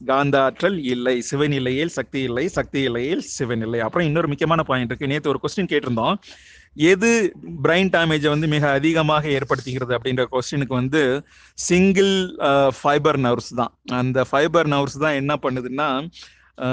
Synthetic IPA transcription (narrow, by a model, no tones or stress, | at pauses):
ɡaːnd̪aːʈɾɐlɪlːɐɪsɪʋɐnɪlɐjɪlsɐk̚t̪ijɪlːɐɪsɐk̚t̪ɪjɪlːɐjɪlsɪʋɐnɪlːɐɪɐpːɯɾõɪnːoɾɯmʊkːjɐmaːnɐpaːjɐnɪɾɯkːɯneːɾt̪ːɯɔɾɯkoːsʈɪnkeːʈːɪɾɯnd̪õː | ɛðɯbɾɐɪnʈaːmeːd͡ʒɛʋɐnd̪ɯmɪɣɐːðɪɣɐmaːɣɐeːɾpɐɽɯt̪ːɯɣɪɾɐðɯɐp̬ːɐɽɪndrɐkoːsʈɪnɯkːɯʋɐnd̪ɯ | sɪŋɡɐlfɐɪbɐɾnɐʊɾst̪ã̰ːɐnd̪ɐfɐɪbɐɾnɐʊɾst̪ãːɛnːɐpɐɳːɯðɯnːaː